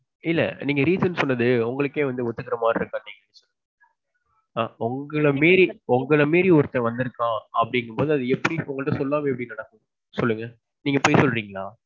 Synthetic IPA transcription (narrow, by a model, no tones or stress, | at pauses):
ɪlːɐ̰niːŋɡɐɾiːsɐnsɔnːɐðɯʊŋɡɐɭɯkːẽːʋɐnd̪ɯʊt̪ːɯkːɪɾɐmaːɾɪɾɯkːaːnniːŋɡɐɛnɐt͡ʃːɯ | ʊŋɡɐɭɐmeːɾiʊŋɡɐɭɐmeːɾiʊɾɯt̪ːɐ̃ʋɐnd̪ɪɾɯkːãːɐpːɐɽɪŋɡɯmpoːðɯɐðɯɛpːɐɽiʊŋɡɐɭɯʈːɐ̃sɔlːaːmɐɛp̬ːɐɽinɐɽɐkːɯ̃ | sɔlːɯŋɡɐ | niːŋɡɐpoːjsɔlɾiːŋɡɐɭaː